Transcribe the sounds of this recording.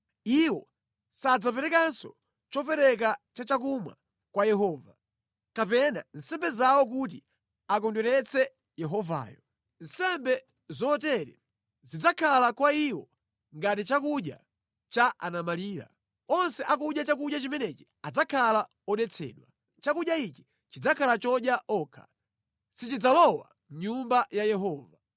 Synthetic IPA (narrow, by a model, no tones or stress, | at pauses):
iwɔ | sad͡zapɛɾɛkansɔ̰ | t͡ʃɔpɛɾɛk̬at͡ʃat͡ʃakuma̰ | kwajɛɦɔːva | kapɛna̰n̩sɛmbɛzawɔk̬ut̬i | ak̬ɔndwɛɾɛt͡sʰɛ | jɛɦɔva̰ːjɔ | n̩sɛmbɛ | zɔtɛɾɛ | zid͡zakʰalakwaiwɔ | ŋɡatit͡ʃakuɗja̰ | t͡ʃaʔa̰namaliːɾa̰ | ɔnsɛʔakuɗjat͡ʃak̬uɗjat͡ʃimɛnɛt͡ʃi̥ | ad͡zakʰala | ɔɗɛt͡sʰɛ̰ːɗwa | t͡ʃakuɗjait͡ʃi̥ | t͡ʃid͡zakʰalat͡ʃɔɗjaʔɔːkʰa̰ | sit͡ʃid͡zalɔwa̰ | ɲumbajajɛɦɔːva